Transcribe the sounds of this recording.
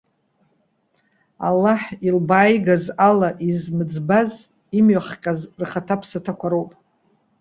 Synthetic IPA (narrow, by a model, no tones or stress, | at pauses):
a̰lːaħilbaːjɡazalaʔizmɨd͡zbaz | imɥaχqʲʼazrχatʰapʰsatʰakʷʰaɾowpʼ